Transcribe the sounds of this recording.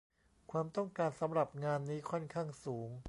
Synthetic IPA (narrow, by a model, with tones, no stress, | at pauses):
kʰwaː˧mt̪ɔ˥˩ŋkaː˧nsa˩˦mɾa˨˩p̚ŋaː˧nːiː˦˥kʰɔ˥˩nkʰaː˥˩ŋsuː˩˦ŋ